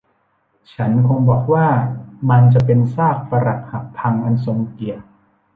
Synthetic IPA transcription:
t͡ɕʰa˦˥nkʰo˧ŋbɔː˨˩k̚waː˥˩ma˧nt͡ɕa˨˩pe˧nsaː˥˩k̚fa˧ɾa˨˩k̚ha˨˩ppʰːa˧ŋʔa˧nso˧ŋki˨˩ə

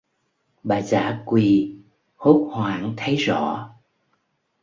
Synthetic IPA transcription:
ɓaː˨˩za̰ː˧˥˦kwi˧˨ | ho˦˥t̚hwaː˧˩ŋt̪ʰə˨˦jzɔ̰˧˩˨

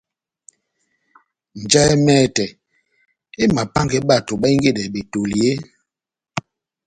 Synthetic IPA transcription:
n̩˨d͡ʒa˦ɛ˦mɛː˦˨tɛ˨ | e˦ma˨pa˦ŋkɛ˦ɓa˦˨to˨ɓa˦i˦ŋ˦ɡe˦˨dɛ˨be˨to˨le˦

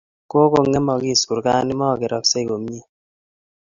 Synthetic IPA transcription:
ko˦ko˨ŋɛ˦mɔ˨ki˦˨sku˨ɾka˦ni˦mɔ˦˨ke˨ɾɔ˨kse˦i˨ko˨m˦i˦˨

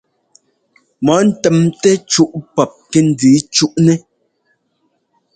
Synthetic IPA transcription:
mɔ˨˦n̩˦˨tɛ˨mtɛ˦t͡ʃu˦ʔpɔ˨p̚kɛ˦n̩˨˦diː˨˦t͡ʃu˦ʔnɛ˦

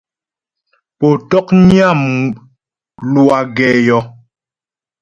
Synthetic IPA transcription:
po˨tɔ˦kɲi˦a˦˨m | lwa˨ɡɛː˨jɔ˨

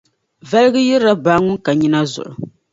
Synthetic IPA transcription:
vɛ˦lɨ˦ɡɨ˦jɛ˦ɾɾa˦baː˦ŋʊ˦nka˨ɲi˦na˦zʊ̰˨ʔʊ̰˨

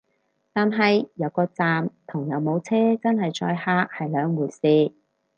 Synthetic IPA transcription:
t̪aː˨nɦɐ˨jjɐ˨˧wkɔː˧t͡saː˨mt̪ʰʊ˨˩ŋjɐ˨˧wmo˨˧wt͡sʰɛː˥t͡sɐ˥nhɐ˨jt͡ʃɔ̰ː˧jhaː˥k̚hɐ˨jlœː˨˧ŋwuː˨˩jsiː˧

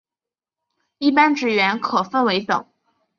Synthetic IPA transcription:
i˥˩pa˥nʈ͡ʂɻ̩˨˩ɥɛ˧˥nkʰɤ˨˩fə˥˩nwe˧˥ɪt̪ɤ̰˨˩˦ŋ

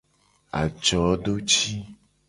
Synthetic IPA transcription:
a̰˨d͡ʒɔ˨˦ɖo˦t͡ʃi˦

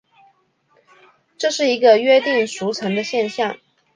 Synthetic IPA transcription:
ʈ͡ʂɤ˥˧ʂɻ̩˥˩i˧˥ɡə˧ɥɛ˥t̪i˥˩ŋʂu˧˥t͡sʰɤ˧˥ŋd̪ə˧ɕjɛ˥˧nɕjɑ˥˩ŋ

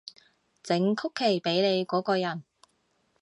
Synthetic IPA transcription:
t͡sɪ˨˥ŋkʰʊ˥kʰːe˨˩jpe˨˥jne˨˧jkɔː˨˥kɔː˧jɐ˨˩n

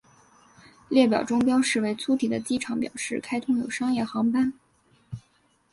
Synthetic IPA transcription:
ljɛ˥˩pjɑ˨˩ʊʈ͡ʂʊ˥ŋpjɑ˥ʊʂɻ̩˥˧we˧˥˩ɪt͡sʰu˧˥t̪ʰi˨˩d̪ə˦t͡ɕi˥ʈ͡ʂʰɑ˧˥ŋpjɑ̰˨˩ʊʂɻ̩˥˩kʰa˥ɪt̪ʰʊ˥ŋjo˨˩ʊʂɑ˥ŋjɛ˥˩xɑ˧˥ŋpa˥n

